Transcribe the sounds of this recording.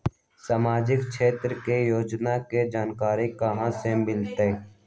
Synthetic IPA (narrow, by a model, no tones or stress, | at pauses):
samaːd͡ʒɪkʃʰeːt̪ɾkejoːd͡ʒnaked͡ʒaːnkaːɾekəɦãsemɪlt̪e